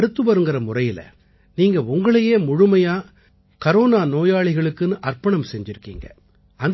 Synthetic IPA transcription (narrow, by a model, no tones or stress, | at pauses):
ɾɯt̪ːɯʋɐɾɯŋɡɯɾɐmʊrɐjɪlɐ̰ | niːŋɡɐʊŋɡɐɭɐjeːmʊɻʊmɐjaː | kɐɾoːnaːnoːjaːɭɪɣɐɭɯkːɯnːɯʔɐrpɐɳɐmsɛɲd͡ʒɪɾɯkːḭːŋɡɐ̰ | ɐn